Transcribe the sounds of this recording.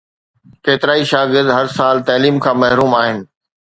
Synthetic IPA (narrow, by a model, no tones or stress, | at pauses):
keːt̪ɪɾaːiʃaːɡɪɾd̪ɦɐɾsaːlt̪ɛːliːmkʰãːmɐɦɾuːmaːɦɪnɪ̆